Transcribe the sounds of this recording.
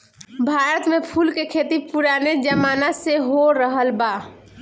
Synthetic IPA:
bʱaːɾət̪mepʰulkekʰet̪ipuɾaned͡ʒəmanaseɦoɾəɦəlba

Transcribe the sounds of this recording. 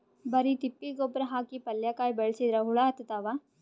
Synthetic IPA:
bɐɾit̪ipːiɡoːbɾɐɦaːkipɐljakaːjbeɭɐsid̪ɾɐɦuɭaɐt̪ːɐt̪aːʋaː

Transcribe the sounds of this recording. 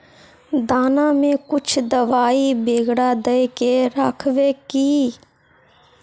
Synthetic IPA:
d̪aːnaːmẽkʊt͡ʃʰd̪əʋaːibeːɡɽaːd̪əjkeɾaːkʰʋeːkiː

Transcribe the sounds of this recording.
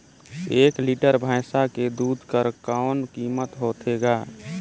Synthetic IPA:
eːkliʈəɾbʱaɪsaked̪ud̪ʱkəɾkaʊnkimət̪ɦot̪ʰeɡa

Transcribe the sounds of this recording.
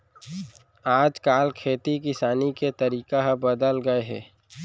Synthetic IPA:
aːd͡ʒkaːlkʰeːt̪ikɪsaːniket̪əɾiːkaɦbəd̪əlɡəeɦɛ̰ː

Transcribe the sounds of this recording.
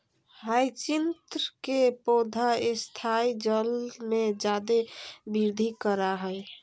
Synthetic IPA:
ɦajt͡ʃint̪ɾəkepod̪ʱaest̪ʰaid͡ʒəlmẽd͡ʒad̪ebiɾd̪ʱikəɾaɦəj

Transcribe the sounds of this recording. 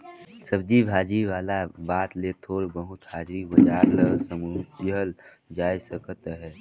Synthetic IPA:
səb̚d͡ʒibʱaːd͡ʒiʋaːlabaːt̪leːt̪ʰoːɽbəɦʊt̪haːd͡ʒɾibəd͡ʒaːɾləsəmɾuːɦəl | d͡ʒaːjsəkʰt̪ɦɛː

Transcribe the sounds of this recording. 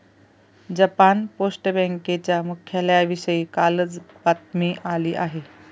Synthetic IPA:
d͡ʑəpanposʈəbɛ̃ŋket͡ɕjamukʰːjaləjaʋiɕəiːkaləd͡zbat̪miʔaliːʔaɦe

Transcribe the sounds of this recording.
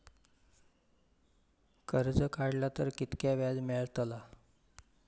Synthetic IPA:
kəɾd͡zəkaɽlat̪əɾkit̪kjaʋjad͡zmeɭt̪əla

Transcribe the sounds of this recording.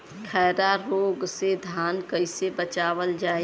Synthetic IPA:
kʰɛːɾaɾoːɡsed̪ʱaːnkəɪsebət͡ʃaːʋəld͡ʒaːe

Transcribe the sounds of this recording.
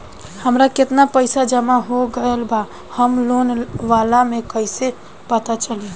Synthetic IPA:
həmɾaket̪napəɪsad͡ʒəmaɦoɡəlba | həmlonʋalamekəɪse | pət̪at͡ʃəli

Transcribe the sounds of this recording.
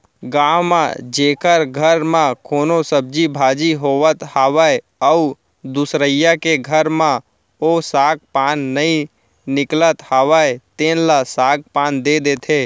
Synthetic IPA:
ɡãːwmã̰d͡ʒeːkəɾɡʱəɾmãkoːnosəb̚d͡ʒibʱaːd͡ʒiɦoːʋət̪haːʋae | əu | d̪ʊsɾəjakeɡʱəɾmã | osaːɡ̚paːnːəĩ | nɪklət̪haːʋaet̪eːnlasaːɡ̚paːnd̪ed̪et̪ʰeː

